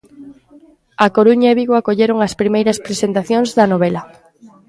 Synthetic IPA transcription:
ɐkoɾuɲaeβiɣwakoʎeɾoŋɐspɾimejɾɐspɾesent̪aθjoŋzðɐnoβɛlɐ

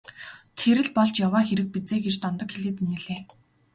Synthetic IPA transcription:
t̪ʰeɾɘ̆ɮpɔɮt͡ɕjawaːxeɾɘ̆k̚pit͡seːɡet͡ɕt̪ɔnt̪ɞ̆kxeɮeːt̪minɘ̆ɮeː

